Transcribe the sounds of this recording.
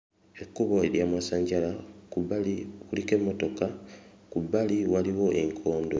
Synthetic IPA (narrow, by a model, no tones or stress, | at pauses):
ekːuβoeɾjamwasaːɲɟalakuβaliulikemːoto̞kakuβaliwaliwo̞ʔeŋkʰo̞ːndo